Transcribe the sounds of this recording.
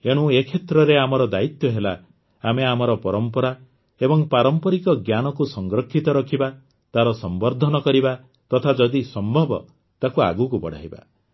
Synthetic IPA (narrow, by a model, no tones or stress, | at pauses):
eɽ̃ũekʰet̪ɾɔɾeamɔɾɔd̪ait̪jɔɦela | ameamɔɾɔpɔɾɔmpɔɾa | ebɔŋpaɾɔmpɔɾikɔɡjanɔkusɔŋɡɾɔkʰːit̪ɔɾɔkʰiba | t̪aɾɔsɔmbɔɾd̪ʱɔnɔkɔɾiba | t̪ɔt̪ʰad͡ʒɔd̪isɔmbʱɔbɔ̰ | t̪akua̰ɡukupɔɽ̤ʱa̰jba̰